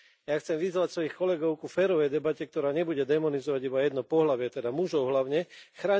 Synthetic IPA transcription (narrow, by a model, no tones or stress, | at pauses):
jaxt͡sɛmʋizʋacsʋɔjixkɔlɛɡɔʊkufɛːɾɔʋɛjd̪ɛbacɛk̚t̪ɔɾaːɲɛbuɟɛd̪ɛmɔnizɔʋaɟibajɛd̪nɔpɔɦlaʋɪɛt̪ɛd̪amuʒɔʊɦlaʊɲɛxɾaː